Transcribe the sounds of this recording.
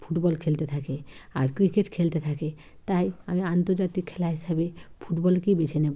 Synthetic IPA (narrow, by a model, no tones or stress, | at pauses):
pʰuʈbɔlkʰelt̪et̪ʰakeaɾkɾikeʈkʰelt̪et̪ʰake | t̪ajamiant̪ɔɾd͡ʒat̪ikʰːelaɦisabepʰuʈbɔlkibet͡ʃʰene